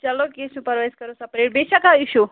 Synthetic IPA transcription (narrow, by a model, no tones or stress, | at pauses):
t͡ʃɐlokesnupɐɾʋajskɐɾõsɐpɾeʈ̚beʃakaiʃu